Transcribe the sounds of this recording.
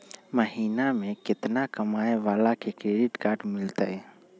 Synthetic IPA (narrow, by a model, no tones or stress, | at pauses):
məɦiːnamẽkɪt̪nakəmaːeʋaːlakekɾeːɖɪʈkaːɾʈmɪlt̪aɛ